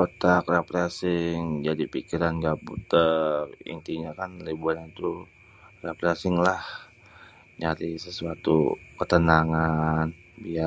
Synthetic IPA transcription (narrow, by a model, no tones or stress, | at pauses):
kot̪akrapɾasɪŋd͡ʒadipikiɾanɡaput̪əḭnt̪iɲakanlibuaɲat̪u | rapɾasɪŋlah | ɲaɾisəsuat̪ṵkət̪ənaŋan | bia